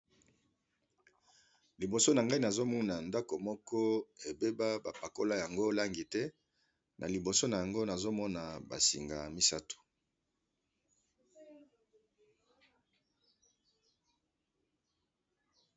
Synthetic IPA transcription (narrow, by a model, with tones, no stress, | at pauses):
li˨bo˨so˦na˨ŋɡa˦i˦na˨zo˦mu˦na˨nda˦ko˨mɔ˦kɔ˦e˨be˦ba˦ba˨pa˨ko˦la˦ja˨ŋɡo˦la˦ŋɡi˨tɛ˦ | nʔa̰˨li˨bo˨so˦na˨ja˨ŋɡo˦na˨zo˦mɔ˦na˨ba̰˨sḭ˨ŋɡa̰˨mi˦sa˦tu̥˨